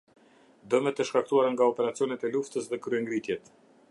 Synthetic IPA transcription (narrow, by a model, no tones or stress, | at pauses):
d̪əmɛt̪əʃkak̚t̪uaɾaŋɡaɔpɛɾat͡sijɔnɛt̪ɛluft̪əsðɛkɾyɛŋɡɾit̪jɛt̪